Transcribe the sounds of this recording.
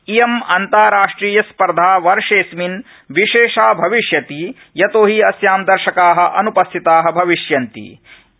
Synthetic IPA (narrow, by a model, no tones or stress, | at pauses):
ijɐmɐnt̪aːɾaːʂʈɾiːjɐspɐɾd̪ʱaːʋɐɾʂeːsmin | ʋiʃeːʃaːbʱɐʋiʃjɐt̪i | jɐt̪oːɦiɐsjaːmd̪ɐɾʃɐkaːɦɐ̆ʔɐnupɐst̪ʰit̪aːɦɐ̆bʱɐʋiʃjɐnt̪ḭ